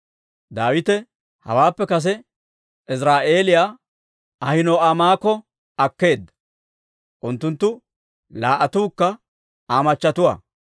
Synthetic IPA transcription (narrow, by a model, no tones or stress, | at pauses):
d̪aːwɪt̪ɛ | hɐ̰waːpːɛkɐs̬ɛ | ɪsɾaːʔe̞ːlɪjaː | ɐhɪnoːʔamaːkːɔ | ɐkːe̞ːd̪ːɐ̥ | ʔʊnt̪ːʊnt̪ːʊ | laːʔɐt̪uːkːɐ | aːmɐt͡ʃːɐt̪ʊwa̰ː